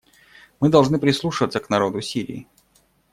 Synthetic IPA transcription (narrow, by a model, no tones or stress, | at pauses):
mɨd̪ɐlˠʐnɨpɾʲɪslˠuʂɨvət̪səknɐɾo̞d̪ʊsʲiɾʲɪ̰ː